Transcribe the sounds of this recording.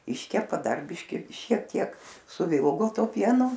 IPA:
ˈɪʃʲkʲɛpɐ ˈdɐr ˈbʲɪʃʲkʲɪ ʃʲiɛk ˈtʲiɛk sʊˈʋʲɪlˠɡoː ˈtuɔ ˈpʲiɛnʊ

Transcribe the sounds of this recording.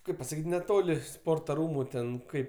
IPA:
ˈkɐɪp pɐsɐˈkʲiːtʲ nʲɛˈtoːlʲɪ ˈspoːrtɐ ˈruːmʊ ˈtʲɛn ˈkɐɪp

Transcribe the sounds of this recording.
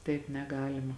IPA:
tɐɪp nʲɛˈɡɑːlʲɪmɐ

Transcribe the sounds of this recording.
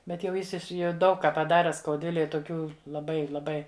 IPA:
ˈbʲɛt jɛʊ ˈjɪs jɛʊ ˈdɐʊk ˈkɑː pɐˈdɑːrʲɛ skɐʊˈdʲʋʲɪlʲɛj toːˈkʲuː lˠɐˈbɐɪ lˠɐˈbɐɪ

